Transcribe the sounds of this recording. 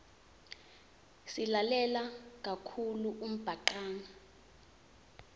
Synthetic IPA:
silalɛlak̬ʼakʰuluʔum̩b̥ʱaǃaːŋa

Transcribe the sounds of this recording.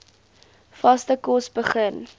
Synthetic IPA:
fɐstəkɔsbəχən

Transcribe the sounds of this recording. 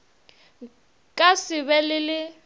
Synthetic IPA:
kʼasɪβɛlɪlɪ

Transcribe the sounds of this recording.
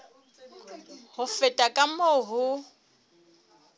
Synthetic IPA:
hʊfɛtʼakʼamoːɦʊ

